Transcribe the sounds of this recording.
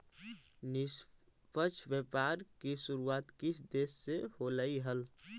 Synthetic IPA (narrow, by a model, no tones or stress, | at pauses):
nispət͡ʃʰbjepaɾkisuɾuaːt̪kisʰd̪eːsːeholəiɦəl